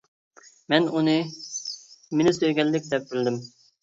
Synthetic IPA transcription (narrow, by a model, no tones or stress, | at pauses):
mɛnunɨ | menɪsøjɡʲɛlːɪk̚ʲd̪ɛp̚bɪld̪ɪm